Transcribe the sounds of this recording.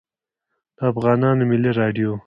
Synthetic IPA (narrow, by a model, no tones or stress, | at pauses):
d̪̥əafɣɑːnɑːnomɪliɾɑɖijo